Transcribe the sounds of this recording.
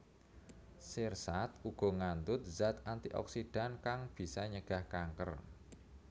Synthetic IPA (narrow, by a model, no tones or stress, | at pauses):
sersat̪uɡ̥ɔ̤ŋand̪ʊt̪̚zat̪ant̪iʔɔ̰ksiɖ̥a̤nkaŋb̥i̤saɲəɡ̥a̤hkaŋkə̰r